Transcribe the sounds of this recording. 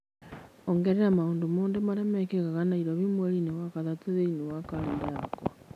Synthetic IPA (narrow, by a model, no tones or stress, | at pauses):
oŋɡeɾeɾamauːndumuːndemaɾemekekakanaiɾoβimwelinewakaðat͡seðeinewakalindaako